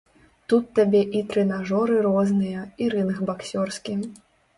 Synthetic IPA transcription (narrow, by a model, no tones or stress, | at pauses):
t̪ut̪ːabʲɛʔit̪ɾɛnaʐɔɾɨɾɔznɨjɐiɾɨnxbaksʲɔrskʲi